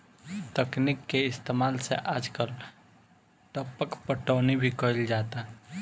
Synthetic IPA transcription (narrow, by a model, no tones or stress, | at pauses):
t̪əknikːeɪst̪emaːlsḛʔaːd͡ʒkəl | ʈəpəkpəʈɔːnibʱikəɪld͡ʒaːt̪a